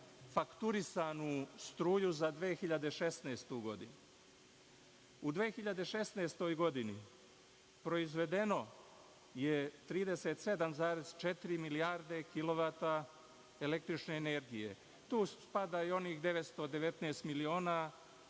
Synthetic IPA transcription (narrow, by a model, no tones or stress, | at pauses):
fakt̪uɾisanust̪ɾuːjuzad̪ʋeːxiʎad̪e̞ʃe̞sneːst̪uɡo̞d̪inu | ud̪ʋeːxiʎad̪e̞ʃe̞sneːst̪o̞jɡo̞d̪ini | pɾo̞izʋe̞d̪e̞no̞ | jet̪ɾiːd̪eseːt̪se̞d̪amzaːɾe̞z̥t͡ʃe̞t̪iɾimiliaɾd̪e̞kilo̞ʋat̪a | ele̞k̚t̪ɾit͡ʃneːne̞ɾɡije̞̰ | t̪uːpad̪aio̞niːxd̪e̞ʋet̪st̪o̞d̪e̞ʋe̞t̪neːst̪milio̞ːna